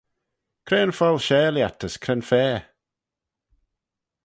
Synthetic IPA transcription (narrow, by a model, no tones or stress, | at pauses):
kʰɾeːnfɔlˠʃɛːljatəskʰɾɛnfɛː